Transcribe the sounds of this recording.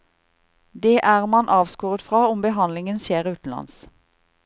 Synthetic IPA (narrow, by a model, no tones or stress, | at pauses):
d̪eːʔæːʁmɑnʔɑːʋskuːʁət̪fʁɑːʊmbəɦɑnlɪŋənseːʁʉːt̪n̩lɑ̰ns